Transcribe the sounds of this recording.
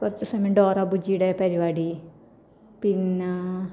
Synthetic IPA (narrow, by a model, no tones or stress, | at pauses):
kurit͡ɕːɨsɐmɐɖoːrɐbud͡ʑijuɽepɐɾiʋaːɽi | pin